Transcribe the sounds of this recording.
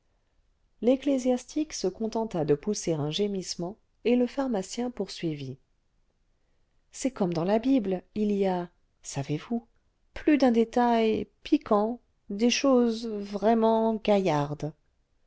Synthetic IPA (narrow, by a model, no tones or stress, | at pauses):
leklezjast̪ʰiksəkɔ̃t̪ɑ̃t̪ad̪əpuseʁɛ̃ʒemismɑ̃ | eləfaʁmasjɛ̃puʁsɥivi | sɛkɔmd̪ɑ̃labiblilija | savevu | plyd̪ɛ̃d̪et̪ajpʰikʰɑ̃ | d̪eʃozvʁɛmɑ̃ɡajaʁd̪